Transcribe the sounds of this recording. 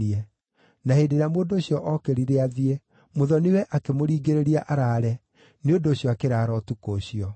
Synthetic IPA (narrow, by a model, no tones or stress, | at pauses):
iɛ | nahendeɾamoːndooɕjɔʔɔkeɾiɾeaðiɛ | moðɔnewɛʔakemoɾiːɡeɾeɾiaʔaɾaːɾɛ | neodoːɕjɔakeɾaːɾɔtukoɕiɔ